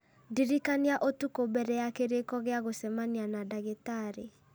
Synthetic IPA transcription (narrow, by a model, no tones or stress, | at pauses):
diɾikaniaʔotukobɛɾɛjakeɾekɔɣeaɣosɛmanianadaɣetaɾe